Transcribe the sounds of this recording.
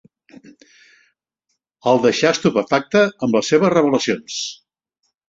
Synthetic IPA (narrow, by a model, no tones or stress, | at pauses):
əlˠd̪əʃast̪upəfak̚t̪əəmləsːeβ̞əzrəβələsions